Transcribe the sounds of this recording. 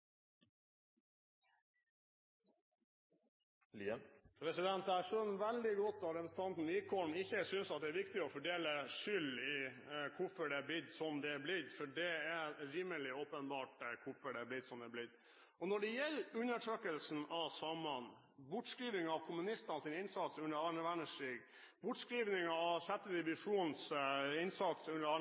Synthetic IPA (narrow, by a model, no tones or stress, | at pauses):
pʰɾɛsɪd̪ɛnt̪æʂɔnʋæld̪ɪɡɔt̪ːɑɾɛpɾəsn̩t̪ʰɑnt̪n̩ʋiːkʰɔm̩ɪçːəsʏnsɑt̪̚d̪ɛæːɾʋɪkt̪ɪɔfɔɖeːləʂʏlɪ | kʰʊfɔɖɛblɪd̪sɔmd̪ɛblɪɾfɔɖɛæɾiːməlɪoːpənbɑːʈkʰʊfɔɖɛblɪd̪sɔmd̪ɛblɪd̪ | ɔnɔɖɛjɛlːʉnːəʈʰɾøːkəlsn̩ɑʋsɑmɑn | bʊʈskɾiːʋnɪŋɑʋkʰʊmʉnɪst̪ɑnsɪːnɪnsɑt̪sʉnːəɾɑɳəʋæɳəʂiːɡ | bʊʈskɾiːʋnɪŋɑɑʋçɛt̪ːəd̪ɪʋɪʂuːnsɪnsɑt̪sʉnːəɾɑː